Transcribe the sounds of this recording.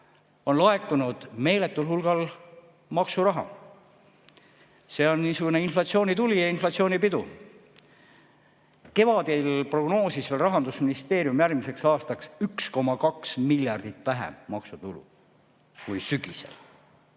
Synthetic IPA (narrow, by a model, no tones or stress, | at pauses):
o̞nlɑe̞k̪ːˑunud̪̥me̞ːle̞t̪ːˑulhulɡ̥ɑl | mɑksuɾɑɦɑ̰ | se̞ːo̞nːiːsuɡ̥une̞inflɑt̪sio̞ːnʲit̪ulʲijɑinflɑt̪sio̞ːnipid̪u | ke̞vɑd̪̥ilpro̞ɡ̥no̞ːsisveːlrɑɦɑnd̪usminist̪e̞ːɾjumjærɡmise̞ksɑːst̪ɑksyksko̞mɑkɑksmilʲjɑrd̪̥it̪ːˑvæɦḛmmɑksut̪ulṵ | kujsyɡ̥isḛl